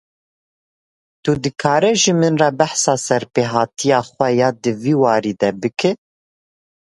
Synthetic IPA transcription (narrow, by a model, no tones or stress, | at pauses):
t̪ud̪ɨkʰɑːɾɛʒimɨnrɑːbæħsɑːsɛɾpeːɦɑːt̪ʰijɑːxʷɛjɑːd̪ɨviːwɑːɾiːd̪ɛbɨkʰɨ